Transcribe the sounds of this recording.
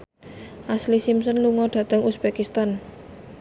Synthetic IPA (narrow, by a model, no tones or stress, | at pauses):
ʔaslisimsənluŋɔɖ̪̥ä̤t̪əŋusb̥ekist̪an